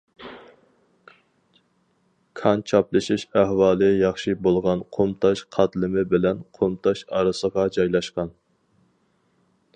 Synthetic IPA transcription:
kʰɑnt͡ʃʰɑplˠɨʃiʃæhwɑːlˠɨjɑχʃibolˠʁɑnqʰomt̪ʰɑʃqʰɑt̪lɪmɪbɪlɛnqʰomt̪ʰɑʃɑɾɨsəʁɑd͡ʒɑjlˠɑʃqɑn

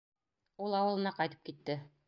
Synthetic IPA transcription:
ulˠɑwɤ̆lˠɤ̆nɑqɑjt̪ɤ̥p̚kit̪ːɘ

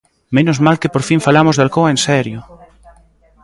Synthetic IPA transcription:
mẽnozmalkepoɾfiɱfalamozðalkoaensɛɾjo

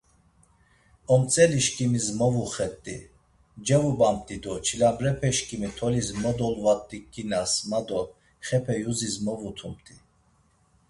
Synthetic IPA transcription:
ɔmt͡sʼɛliʃkʼimizmɔvuχɛt̪ʼːḭ | d͡ʒɛvubam̚t̪ʼid̪ɔt͡ʃʰilamɾɛpʰɛʃkʼimit̪ʰɔlizmɔd̪ɔlvat̪ʼːikʼːinasmad̪ɔ | χɛpʰɛjuzizmɔvut̪ʰumt̪ʼi

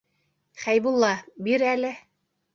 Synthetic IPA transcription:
χæjbulˠːɑbiɾælɘ

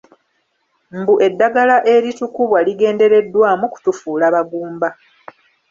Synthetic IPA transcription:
mbuʔe̞dːaɡalaʔe̞ɾitukuβwaliɡe̞ːnde̞ɾe̞dːwaːmuku̥tufuːlaβaɡuːmba

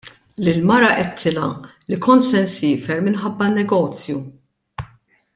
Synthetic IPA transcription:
lɪlmɐɾɐʔɛt̪ʰːɪlɐ̰likɔnt̪sɛnsɪːfɛɾmɪnħɐbːɐnːɛɡɔːt͡sju

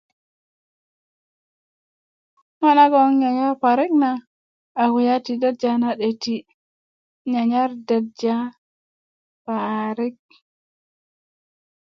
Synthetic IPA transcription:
hɔnaɡɔnɲaɲapaɾiknaː | wijatidad̚d͡ʒanaɗeti | ɲaɲaɾdadd͡ʒa | paɾik̚

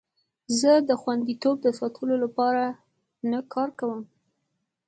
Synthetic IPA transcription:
zəd̪əxwand̪it̪ob̚d̪əsɑt̪ʰəlolapɑɾa | nakʰɑɾkawəm

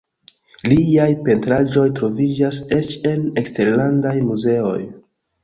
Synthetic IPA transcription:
liajpe̞ntɾaʒo̞jtɾo̞vid͡ʒase̞t͡ʃe̞lekste̞ɾlandajmuze̞o̞̰j

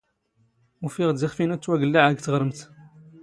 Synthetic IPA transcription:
ufiʁd̪iχfinut̪ːwæɡəlːaʕæɡt̪əʁɾəmt̪

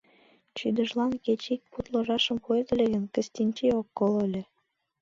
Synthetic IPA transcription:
t͡ɕyd̪ə̆ʒlɑnket͡ɕik̚put̪lɤʒɑʃə̆mpoez̆lʲĕɣə̆nkə̆sʲt̪ʲinʲt͡ɕeokːolə̆lʲĕ

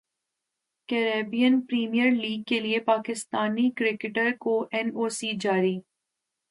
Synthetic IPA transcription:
kɛːɾeːbijənpɾiːmijəɾliːɡ̚keliepaːkɪst̪aːnikɾɪkɪʈəɾkoʔɛnoːsid͡ʒaːɾiː

